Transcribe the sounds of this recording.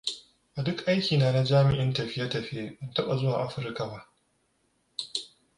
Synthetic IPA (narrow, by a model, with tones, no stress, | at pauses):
ʔa˨dʊ˦kʔa˦jkʲiː˨naː˨na˦d͡ʒaː˦mɪ˨ʔɪ˦ntɐ˨ɸɪ˦ja˦tɐ˨ɸɪ˦je˦ʔɪ˦ntɐ˦ɓa˨zʊ˦waː˨ʔa˦ɸɪ˦ɾka˨ba˦ʔ